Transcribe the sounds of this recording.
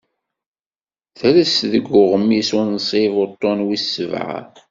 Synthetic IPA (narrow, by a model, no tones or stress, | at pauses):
θəɾəsðəɡːʊʁəmːisunsˤivot̪ˤːonwisːəv̰ʕ̰